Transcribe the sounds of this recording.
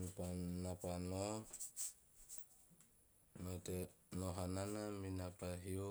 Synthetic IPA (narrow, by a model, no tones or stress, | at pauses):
nipanapano | notenoɦananaminapaɦio